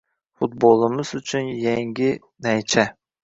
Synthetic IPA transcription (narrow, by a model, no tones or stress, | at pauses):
fut̪̚bolˠɨmɪzʊt͡ʃʰynjɛŋɡʲɪ | næjt͡ʃʰɛ